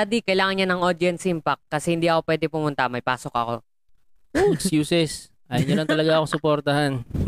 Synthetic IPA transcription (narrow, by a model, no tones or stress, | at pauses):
ad̪ikɐjlaːŋɐnɲanɐŋʔod̪ɪɛnsɪmpak̚ːɐsɛhɪnd̪iːɐko̞pwɛːd̪ɛpʊmʊnt̪ɐmɐjpaːsokɐ̰ko̞̰ | oɛkskjuːsɛs | ʔaːjɐnɲɐlɐŋt̪ɐlɐɡaɐkosʊpoɾt̪ɐhan